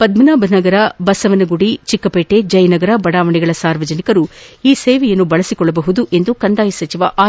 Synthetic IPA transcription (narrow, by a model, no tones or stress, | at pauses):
pɐd̪minaːbnɐɡɐɾɐbɐsɐʋɐnɐɡuɽit͡ʃikːɐpeːʈe̞d͡ʒɐjɐnɐɡɐɾɐbɐɽaːʋɐɳiɡɐɭɐsaːɾʋɐd͡ʒɐnikɐɾuiːseːʋɛjɐnːubɐɭɐsikɔɭːɐbɐɦud̪uʔe̞nd̪ukɐnd̪aːjɐsɐt͡ʃiʋɐʔaː